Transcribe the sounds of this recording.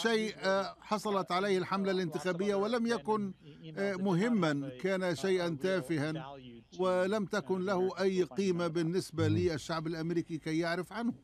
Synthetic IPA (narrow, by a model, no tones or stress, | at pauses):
ʃajːħɑsˤɑlɑt̪ʕalajhɪlħamlalɪnt̪ɪxaːbɪjːawɪlamjakʊn | mʊɦɪmːankaːnaʃajʔant̪aːfɪhanwɪlamt̪akʊnlahʊʔajːqiːmabɪnːɪsbaliʔɪʃːaʕbɪlʔamɾiːkikajːaʕɾɪfʕanhʊ